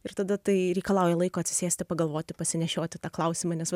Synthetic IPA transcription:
ɪɾt̪ɐd̪ɐt̪ɐɪɾʲɛɪkɐlˠɑʊjɛlˠɐɪkoːɐt̪ʲsʲɪ̥sʲeːsʲt̪ʲɪpɐɡɐlˠʋoːt̪ʲɪpɐsʲɪnʲɛʃʲoːt̪ʲɪt̪ɑːklˠɐʊsʲiːmɑːnʲɛs

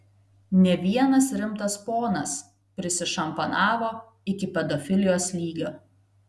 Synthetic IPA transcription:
nʲɛʋʲiɛnɐsɾʲɪmt̪ɐspoːnɐs | pʲɾʲɪsʲɪʃɐmpɐnɑːʋoː | ɪkʲɪpʲɛd̪ɔfʲɪlʲɪjoːslʲiːɡʲoː

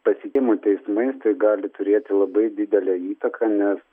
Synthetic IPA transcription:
pɐsʲɪkʲːmut̪ʲɛɪsmɐɪst̪ɐɪɡɑːlʲɪt̪ʊɾʲeːt̪ʲɪlˠɐbɐɪd̪ʲɪd̪ʲɛlʲɛːiːt̪ɐkʰɑnʲɛs

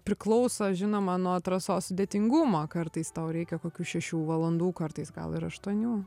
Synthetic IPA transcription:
pʲɾʲɪklˠɔʊsɐʒʲɪnoːmɐnuɔɐt̪ɾɐsoːssʊd̪ʲeːt̪ʲɪŋɡʊmoːkɐrt̪ɐɪst̪ɐʊɾʲɛɪkʲɛkoːkʲuːʃʲɛʃʲuːʋɐlˠɐnd̪uːkɐrt̪ɐɪsɡɐ̰lˠɪɾɐʃt̪uɔnʲuː

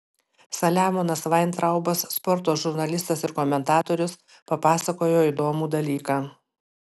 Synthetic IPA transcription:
sɐlʲæːmoːnɐsʋɐɪnt̪ɾɐʊbɐsːpɔɾt̪oːʒʊɾnɐlʲɪst̪ɐsɪɾkɔmʲɛnt̪ɑːt̪oːɾʲʊs | pɐpɑːsɐkoːjoːiːd̪oːmuːd̪ɐlʲiːkɑː

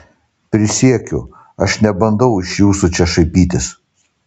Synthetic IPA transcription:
pʲɾʲɪsʲiɛkʲʊ̰ | ɐʃnʲɛbɐnd̪ɐʊɪʃjuːsut͡ʃʲɛʃɐɪpʲiːt̪ʲɪs

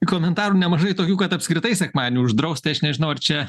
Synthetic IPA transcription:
koːmʲɛnt̪ɑːɾuːnʲɛmɐʒɐɪt̪oːkʲuːkɐt̪ɐpskɾʲɪt̪ɐɪsʲɛkmɑːdʲɪnʲuːʊʒd̪ɾɐʊst̪ʲɪɐʃnʲɛʒʲɪnɐʊɐrt͡ʃʲɛ

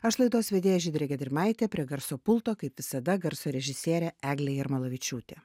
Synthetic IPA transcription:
ɐʃlˠɐɪd̪oːsʋʲɛd̪ʲeːjoːʒʲiːd̪ʲɾʲeːɡʲɛd̪ʲɪɾʲmɐɪt̪ʲeːpʲɾʲiɛɡɐɾsoːpʊlˠt̪oːkɐɪpʋʲɪsɐd̪ɐɡɐɾsoːɾʲɛʒʲɪsʲeːɾʲɛæːɡlʲejɪɾmɐlˠɐʋʲɪt͡ʃʲuːt̪ʲeː

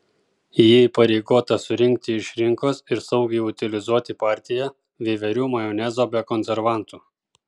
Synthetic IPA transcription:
jiːipɐɾʲɛɪɡoːt̪ɐsʊɾʲɪŋʲk̚t̪ʲɪɪʃɾʲɪŋkoːsɪɾsɐʊɡʲɛɪʊt̪ʲɪlʲɪzuɔt̪ʲɪpɑːˑɾʲt̪ʲɪjɛ | ʋʲeːʋʲɛɾʲuːmɐjoːnʲɛzoːbʲɛkɔnʲsʲɛɾʋɑˑnt̪uː

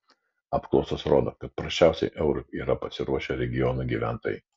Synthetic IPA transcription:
ɑːpklˠɒʊsoːsɾoːd̪o̰ːkɐt̪̚pɾɐʃʲt͡ʃʲæˑʊsʲɛ̰ɪʔɛʊɾʊiːɾɐpɐsʲɪɾuɔʃʲɛɾʲɛɡʲɪjɔnuˑɡʲiːʋʲæˑnt̪o̰ːjɛ̰ɪ

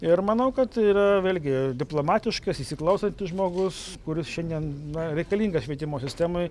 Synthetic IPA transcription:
ɪɾmɐnɐʊkɐt̪iːɾɐʋʲeːlʲɡʲɪd̪ʲɪplˠoːmɑːt̪ʲɪʃkɐsiːsʲɪklˠɐʊsɐnʲt̪ʲɪsʒmoːɡʊs | kʊɾʲɪsʃʲɛnʲd̪ʲiɛnnɐɾʲɛɪkɐlʲiːŋɡɐsʃʲʋʲiɛt̪ʲɪmoːsʲɪsʲt̪ʲæːmoɪ

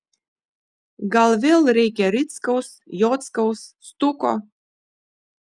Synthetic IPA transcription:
ɡalˠvʲeːlˠɾʲɛjkʲɛɾʲit̪skawsjɔːt̪skawsːt̪ukɔ̰

